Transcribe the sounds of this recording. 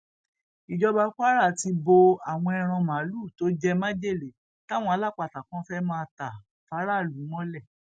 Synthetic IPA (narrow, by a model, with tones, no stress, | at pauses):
i˨d͡ʒɔ˧ba˧ka˦ɾa˦˨ti˧bo˧a˨w̃ɔ̃˧ɛ˧ɾ̃ã˧mã˨˦lu˦˨to˦d͡ʒɛ˦mã˦d͡ʒe˦˨le˨˦ | ta˦˨w̃ɔ̃˧a˧˦la˦˨k͡pa˧˨ta˨kã˦fɛ˦mãː˦˧ta˨ | fa˨˦ɾa˦˨lu˨˦w̃ɔ̃˦lɛ˦˨